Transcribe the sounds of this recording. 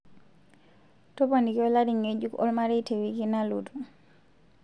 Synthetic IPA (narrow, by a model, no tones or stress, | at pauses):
tɔpanikiɔladiŋed͡ʒukɔ̰lmaɾɛtewikinalutu